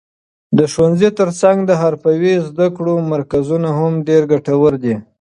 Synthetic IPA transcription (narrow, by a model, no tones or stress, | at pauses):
d̪əʃwanzit̪əɾt͡saŋɡd̪əɦaɾpawizd̪akɽomaɾkazunahamɖeɾɡaʈawəɾd̪i